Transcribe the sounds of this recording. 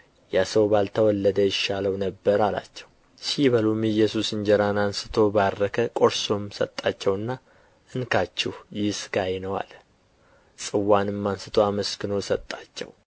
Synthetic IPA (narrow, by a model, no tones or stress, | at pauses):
jasəwbalt̪ʰəwɔlːəd̪əjɪʃːaləwnəbːəɾala̰t͡ʃːɛw | siβəlumɨjɛsusɨɲd͡ʒɛɾanansɨ̥t̪ʰo̞barːəkʰəkʼo̞ɾso̞msə̰t̪ʼːat͡ʃːɛwɨnːa | ʔɨnkʰat͡ʃːɛhjɪsɨɡajnəwa̰l | sʼɨwːanɨmːansɨt̪ʰoaməskɨno̞sət̪ʼːat͡ʃːɛ̰w